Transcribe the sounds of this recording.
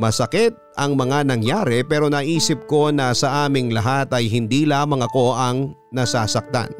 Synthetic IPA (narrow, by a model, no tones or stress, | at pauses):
mɐsɐkɪt̪̚ | ɐŋmɐŋanɐŋjaːɾɛpɛːɾo̞nɐːʔiːsɪp̚ko̞nɐsɐʔaːmɪŋlɐɦat̪ɐjɦɪnd̪iːlaːmɐŋɐko̞ʔɐŋnɐsaːsɐk̚t̪a̰n